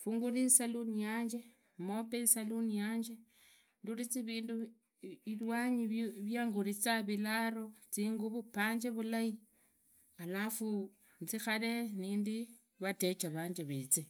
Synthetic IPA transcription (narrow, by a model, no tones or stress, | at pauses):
fuːŋɡuɾisalunijaːɲd͡ʒe | mopesalunijaːɲd͡ʒe | ndulit͡siβiːndu | ilwaɲiβjaːŋɡuɾit͡saβilaɾot͡siːŋɡuβupaːɲd͡ʒeβulai | alafu | nt͡sixale̞niːndi | βate̞t͡ʃaβaːɲd͡ʒeβet͡si